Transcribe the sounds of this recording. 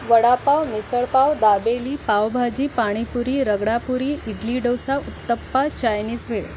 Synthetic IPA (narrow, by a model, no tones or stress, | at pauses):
ʋəɽapawmisəɭpawd̪abeliːpawbʱad͡ʑiːpaɽ̃ipuɾiːɾəɡɽapuɾiːiɡliɖəwsaut̪ːəpːat͡ɕajniːsʋʱeɭ